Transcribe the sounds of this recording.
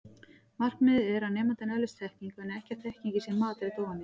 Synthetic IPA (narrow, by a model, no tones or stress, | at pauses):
mar̥knɪðɛɾawnɛːmant̪ɪnœlɪst̪θʰɛhciŋkɛnɛhcaθʰɛhciŋcisjɛnmaːt̪ɪɾɪt̪oːwvanːɪ